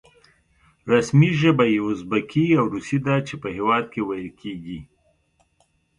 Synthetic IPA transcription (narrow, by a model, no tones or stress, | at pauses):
ɾasmiʒəbajeʊzbakʰiawɾusid̪at͡ʃepəhewɑd̪̚kewajəlkʰeɡi